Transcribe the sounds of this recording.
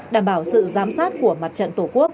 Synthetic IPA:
ɗaː˧˩mɓaː˧˩wsɨ̰˧˨zaː˨˦msaː˦˥t̚ku˧˩əma˨˩t̚t͡ɕə̰˧˨nt̪o˧˩ku˦˥ək̚

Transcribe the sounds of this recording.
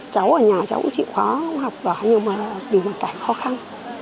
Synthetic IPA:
t͡ɕa˨˦wʔəː˧˩ɲaː˨˩t͡ɕa˨˦wkt͡ɕḭ˧˨xwaː˨˦˧ŋ͡mha˨˩wk͡p̚vaː˨˩ha˨˦ɲi˧˩wmaː˨˩˨vi˨˩mo˨˩t̚kaː˧˩jxɔ˨˦xa˧n

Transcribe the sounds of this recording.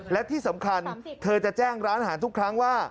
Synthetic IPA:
lɛ˦˥t̪ʰiː˥˩sa˩˦mkʰa˧nt̪ʰɤː˧t͡ɕa˨˩t͡ɕɛː˥˩ŋɾaː˦˥nʔɦaː˩˦nt̪ʰu˥kʰɾa˦˥ŋwaː˥˩

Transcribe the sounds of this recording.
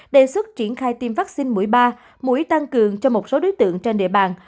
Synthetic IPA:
ɗe˧˩swə˦˥t̚t͡ɕi˧˩ənxaː˧jt̪i˧mvaː˦˥k̚si˧nmu˧˩əjɓaː˧ | mṵ˧˥əjt̪a˧ŋkɨ˨˩əŋt͡ɕɔ˧mo˨˩t̚so˨˦ɗo˨˦jt̪ɨ̰˧˨əŋt͡ɕe˧nɗḭ˧˨əɓaː˨˩n

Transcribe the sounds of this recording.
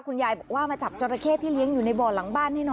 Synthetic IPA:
kʰu˧njaː˧jbɔː˨˩k̚waː˥˩maː˧t͡ɕa˨˩p̚t͡ɕɔ˧ɾa˧kʰeː˥˩t̪ʰːiː˥˩li˧˦˥əŋjuː˨˩na˧jbɔː˨˩la˨˩˦ŋbaː˥˩nːa˥˩jnɔ˧

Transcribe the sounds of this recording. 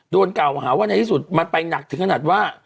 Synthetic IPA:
doː˧nka˨˩whaː˩˦waː˥˩a˧jt̪ʰiː˥˩su˨˩t̪̚ma˧npa˧jna˨˩k̚t̪ʰɯ˩˦kʰa˧naː˨˩t̪̚waː˥˩

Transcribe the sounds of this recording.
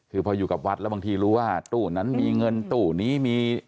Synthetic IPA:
kʰɯː˧pʰɔː˧juː˨˩ka˨˩p̚wa˦˥t̪̚lɛ˦˥˩ba˧ŋt̪ʰiː˧ɾuː˦˥waː˥˩t̪uː˨˩na˦˥nmiː˧ŋɤ˧nt̪uː˨˩niː˦˥miː˧

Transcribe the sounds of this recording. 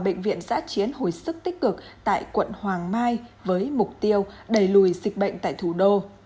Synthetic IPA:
ɓə̰˧˨jŋ̟vḭ˧˨ənza̰ː˧˥t͡ɕi˨˦ənho˨˩jsɨ˦˥k̚t̪i˦˥k̟̚kɨ˨˩k̚t̪a̰ː˧˨jkwə̰˧˨nhwaː˨˩ŋmaː˧jvəː˨˦jmʊ˨˩k͡p̚t̪i˧əwɗə˨˩jlu˧˩jzï˨˩k̟̚ɓə̰˧˨jŋ̟t̪a̰ː˧˨jt̪ʰu˧˩ɗo˧

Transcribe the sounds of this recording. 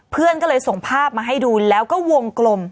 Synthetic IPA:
pʰɯ˥˩ənkɔː˥˩lɤː˧jso˨˩ŋpʰaː˥˩p̚maː˧ɦa˥˩jduː˧lɛː˦˥wkɔː˥˩wo˧ŋklo˧m

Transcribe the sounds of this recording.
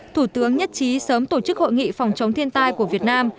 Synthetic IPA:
t̪ʰu˧˩t̪ɨ˨˦əŋɲə˦˥t̚t͡ɕi˨˦səː˨˦mt̪o˧˩t͡ɕɨ˦˥k̚ho̰˧˨jŋḭ˧˨fa˨˩wŋ͡mt͡ɕə˨˦wŋ͡mt̪ʰi˧ənt̪aː˧jku˧˩əvi˨˩ət̚naː˧m

